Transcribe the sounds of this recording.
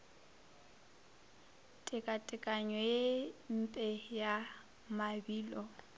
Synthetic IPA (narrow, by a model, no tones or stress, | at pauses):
tʼɪkʼatʼɪkʼaɲɔjem̩pʼɛja | mabiːlɔ